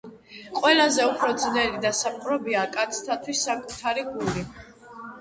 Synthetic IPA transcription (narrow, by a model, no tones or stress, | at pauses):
qʼwɛlazɛupʰɾɔd̪znɛlid̪asap̚ʼqʼɾɔbiakʼat̪sʰt̪ʰat̪ʰwisːakʼut̪ʰaɾiɡuli